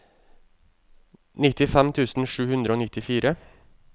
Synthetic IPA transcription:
nɪt̪ɪfɛmt̪ʰʉːsn̩ʃʉːhʉnd̪ɾəoːnɪt̪ɪfiːɾə

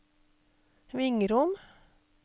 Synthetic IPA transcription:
ʋɪŋəɾʊm

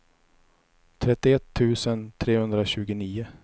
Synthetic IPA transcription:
t̪ʰɾɛt̪ːɪɛt̪ʰːʉ̟ːsənt̪ʰɾeːhɵnd̪ɾaɕʉ̟ːɡʊniːʊ

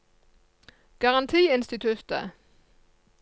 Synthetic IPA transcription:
ɡ̥ɑʁɑnt̪ʰiːɪnst̪ɪt̪ʰʉt̪ə̰

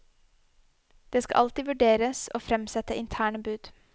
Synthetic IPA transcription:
d̪̥eːskɑ̰ʔɑlt̪ɪʋʉɖeːɾəso̰ːfɾɛmsɛt̪əʔɪnt̪ʰæːɳəbʉːd̪̥

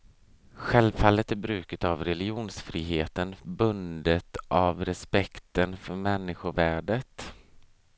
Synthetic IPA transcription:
ɧɛlvfalːət̪æɾbɾʉ̟ːkət̪avɾɛlɪuːnsfɾiːɦeːt̪ənbɵnd̪ət̪avɾɛspɛkt̪ənfœɾmɛnːɪɧʊvæːɖət̪

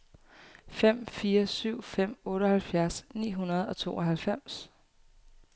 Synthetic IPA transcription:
fem̰fiːɐsyʊ̰fem̰ɔ̽ːɾəhælfjæɐsnḭːɦunɐð̞̩ˠɒ̽t͡sʰo̝ːɒ̽ɦælfem̰s

